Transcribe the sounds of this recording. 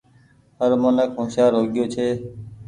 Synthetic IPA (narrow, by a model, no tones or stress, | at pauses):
ɦəɾmənəkɦõːsaːɾɦoːɡɪjoːt͡ʃʰeː